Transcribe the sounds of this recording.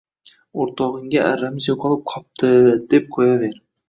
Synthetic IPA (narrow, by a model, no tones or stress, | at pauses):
oɾt̪ʰɒʁɨŋɡʲaʔaɾːamɪzjoqʰɒlˠɪp̚qʰɒp̚t̪ʰɪd̪̥e̞p̚qʰojave̞ɾ